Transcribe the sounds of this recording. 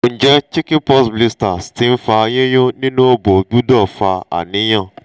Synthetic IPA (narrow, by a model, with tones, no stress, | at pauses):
n̩˨d͡ʒe˦t͡ʃɪ˦kɪ˦pɔ˦sbli˦sta˨stɪ˦m̩˦fa˨˦ɲe˦ɲʊ˦ni˦nu˦o˦bo˨ɡ͡bu˦dɔ˦˨fa˨a̰˨nɪ˦ɲɔ˦˨